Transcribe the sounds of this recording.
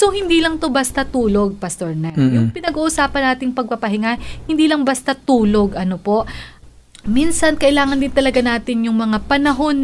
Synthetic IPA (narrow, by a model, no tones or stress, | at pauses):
so̞hɪnd̪iːlɐŋt̪obɐst̪ɐt̪uːlo̞ɡ̚pɐst̪oɹnɐjʊŋpɪnɐɡuːʔʊsaːpɐnːaːt̪ɪŋpɐɡ̚pɐpɐɦɪŋahɪnd̪iːlɐŋbɐst̪ɐt̪uːlo̞ɡʔɐnopo̞ʔ | minsɐnkɐʔɪlaːŋɐnd̪ɪnt̪ɐlɐɡanaːt̪ɪnjʊŋmɐŋapɐnɐɦo̞n